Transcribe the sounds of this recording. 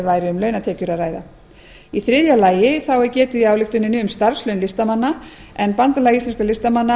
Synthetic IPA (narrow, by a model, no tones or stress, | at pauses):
vaːjɾɪʏmlœːɥnat̪ʰɛːcʏɾaraːjða | iθɾɪðjalaːjɪθawɛɾcɛːt̪ʏiawlɪht̪ʏnːɪnɪʏmst̪aɾ̥slœɥnlɪst̪amanːa | ɛnpant̪alaɣist̪lɛnskalɪst̪amanːa